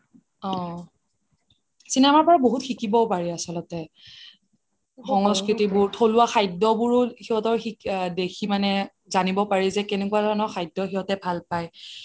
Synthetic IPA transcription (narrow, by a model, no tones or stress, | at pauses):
ɔ̃ | sinɛmaɹpɔɹaboɦutxikibɔpaɹiasɔlɔtɛ | xɔŋɔskɹitibʊɹtʰolʊaxajdɔbʊɹʊxiɦɔtɔɹxidekʰimanɛ | zanibɔpaɹizɛkɛnɛkuazɔɹnɔxʰajdɔxiɦɔtɛbʱalpaj